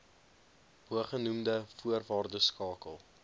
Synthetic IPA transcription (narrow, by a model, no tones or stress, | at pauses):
ɦuəχənumdəfuərvɑːrdəskɑːkəlˠ